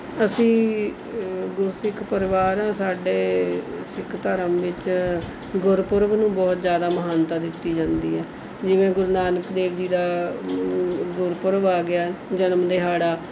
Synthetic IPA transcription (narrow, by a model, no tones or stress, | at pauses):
əsĩː | ɡʊɾsɪkʰpəɾɪʋaːɾãːsaːɖeːsɪkʰt̪əɾəmʋɪt͡ʃ | ɡʊɾpʊɾʋnũːbɔːt̪zjaːd̪aːməɦaːnt̪aːd̪ɪt̪ːiːd͡ʒãːnd̪iːɦɛː | d͡ʒɪʋẽːɡʊɾnaːnəkd̪eːʋd͡ʒiːd̪aː | ɡʊɾpʊɾʋaːɡɪaːd͡ʒənəmd̪eːɦaːɽaː